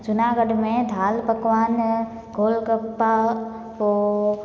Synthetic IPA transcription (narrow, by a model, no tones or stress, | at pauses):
t͡ʃʊnaːɡəɖmẽd̪ʱaːlpɐkʋaːn | ɡʱoːlkəpːa | ko